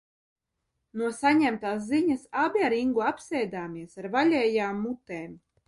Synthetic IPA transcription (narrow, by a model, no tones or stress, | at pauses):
nuɔsaɲæmt̪aːs̬ziɲasabʲiaɾiŋɡuapsʲɛjd̪aːmiɛsaɾvalʲɛːjaːmːut̪ɛːm